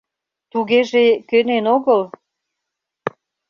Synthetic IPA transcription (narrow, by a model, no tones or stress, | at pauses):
t̪uɣeʒekønenoɣəl